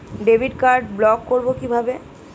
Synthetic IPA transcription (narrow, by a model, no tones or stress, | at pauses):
ɖebʱiɖkaɾɖblɔkːoɾbokibʱabe